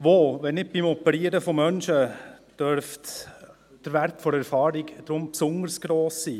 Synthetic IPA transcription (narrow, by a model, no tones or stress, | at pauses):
ʋoʋɛnɪk̚bɪmɔpəɾiəɾəfɔmœnʃə | d̥œɾft | d̥əɾʋæɾtfɔɾɛɾfɑːɾiɡd̥ɾʊmpsʊnəɾsɡ̥ɾoːsːiː